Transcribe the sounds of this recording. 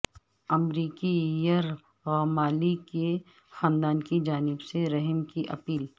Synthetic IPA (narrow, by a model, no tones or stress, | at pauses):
ɐmɾiːkijɐɾ | ɣaːmaːlike | xãːnd̪aːnkid͡ʒaːnɪbseɾɐɦəmkiʔɐpiːl